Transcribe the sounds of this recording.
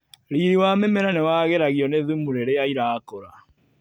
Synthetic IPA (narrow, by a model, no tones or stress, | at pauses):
ɾiɾiwamemeɾanewaɣeɾaɣiɔneðumuɾeɾeaiɾaːkoɾa